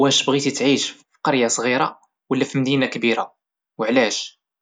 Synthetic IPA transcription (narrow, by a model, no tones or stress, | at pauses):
wæʃbɣit̪it̪ʕiʃfi̥qɑɾjasˤɣiɾa̰ | wəlːæfimd̪inakbiɾa | wəʕlæʃ